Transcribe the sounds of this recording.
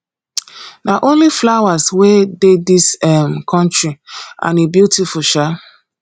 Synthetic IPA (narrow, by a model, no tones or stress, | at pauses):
naʔõnliflawaswededisɛmkʰɔ̃ntɹiã̰nebjutifuʃa